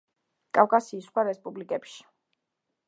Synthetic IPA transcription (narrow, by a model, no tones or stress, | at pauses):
kʼafkʼasiːsχwaɾɛspʼublikʼɛpʃi̥